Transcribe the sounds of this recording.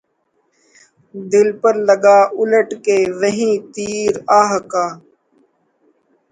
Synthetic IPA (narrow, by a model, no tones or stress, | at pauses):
d̪ɪlpəɾləɡaːʔʊləʈkeːʋəɦĩːt̪iːɾaːɦəkaː